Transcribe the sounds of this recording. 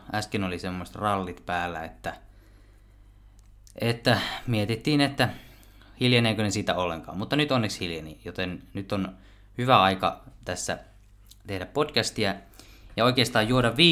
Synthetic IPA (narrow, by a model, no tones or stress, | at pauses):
æskinolisemːose̥t̪rɑlːit̪pæːlːæ̰ḛt̪ːæ | ʔet̪ːæmiet̪it̪ːiːnet̪ːæ | hiljeneːkønesiːt̪æolːḛŋkɑ̰ːmmut̪ːɑnyt̪onːekshiljenḭjot̪ennyt̪ːon | hyʋæɑikɑ̰t̪æsːæ̰ | t̪ehdæppotkæst̪iæjɑoikeːst̪ɑːjjuoɾɑʋʋiː